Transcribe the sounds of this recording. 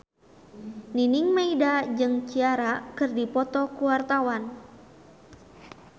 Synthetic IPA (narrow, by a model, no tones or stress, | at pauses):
ninɪŋmaidad͡ʒɨŋt͡ʃiaɾakɨrdipɔt̪ɔkuwart̪awan